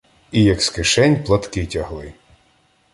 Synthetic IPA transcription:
ijɐkskɪʃɛnʲplˠɐt̪kɪtʲɐɦlˠɪ

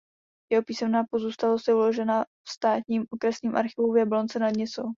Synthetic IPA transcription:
jɛɦo̞piːsɛmnaːpo̞zuːst̪alost̪jɛulo̞ʒɛna | fst̪aːt̪ɲiːmʔokɾɛsɲiːmʔa̰ɾxɪvuvjɛblont͡sɛnad̪ɲɛt͡so

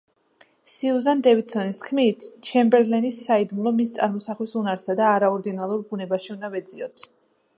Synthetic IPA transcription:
siuzand̪ɛvit̪sɔniskʰmit̪ʰt͡ʃʰɛmbɛɾlɛnisːaid̪mulˠɔmist̪sʼa̰ɾmɔsaχlisunaɾsad̪aːɾaɔɾd̪inalˠuɾbunɛbaʃiund̪avɛd̪ziɔt̪ʰ

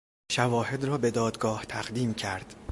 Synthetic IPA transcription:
ʃævɒːhe̞d̪rɒːbe̞d̪ɒːd̪ɡɒːht̪ʰæʁd̪iːmcʰæɾd̪̥

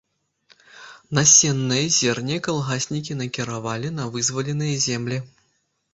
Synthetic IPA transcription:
nasʲɛnːɨjɐzʲɛrnʲɛkalˠɣasʲnʲikʲinɐkʲiɾavalʲinɐvɨzvɐlʲɛnɨjɐzʲɛmlʲi

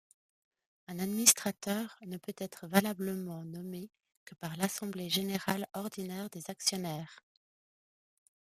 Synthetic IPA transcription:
ɛ̃nad̪minist̪χat̪œːʁnəpøt̪ɛt̪χəvalabləmɑ̃nɔme | kəpaʁlasɑ̃bleʒeneʁalɔʁd̪inɛʁd̪ezaksjɔnɛːʁ

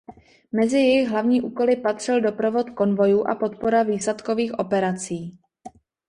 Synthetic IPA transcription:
mɛzɪjɛjɪɣɦlavɲiːʔuːko̞lɪpat̪r̝̥ɪldo̞pɾo̞vo̞t̪ko̞nvo̞juːʔa̰po̞t̪̚po̞ɾaviːslɛt̪ko̞viːxʔo̞pɛɾat͡siː

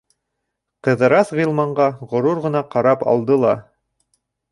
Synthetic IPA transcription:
qɤ̆ðɤ̆ɾɑθʁĭlˠmɑɴɢɑʁŏɾuɾʁɤ̆nɑqɑɾɑpɑ̰lˠd̪ɤlˠɑ

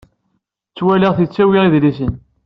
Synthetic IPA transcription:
t͡sːwæliʁθit͡sːæwiʁiðlisən

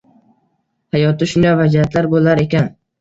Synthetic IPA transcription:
hajɒt̪ɪʃʊnd̪avad͡ʒiat̪laɾbolˠaɾe̞kʲan

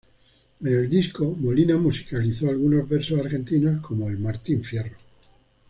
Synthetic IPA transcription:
e̞ne̞ld̪iskomolinamusi̥kaliθoalɣ̞unozβeɾsosaɾxe̞nt̪inaskʰo̞moelmaɾt̪iɱfje̞ro

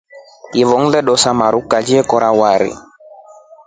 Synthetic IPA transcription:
jivɔŋ̩lɛɗɔsamaɾukad͡ʒiɛkɔɾawaɾḭ

